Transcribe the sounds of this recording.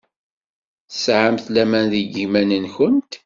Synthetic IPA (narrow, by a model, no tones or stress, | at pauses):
θəsʕamθlæmænðiɡimænənçənt̪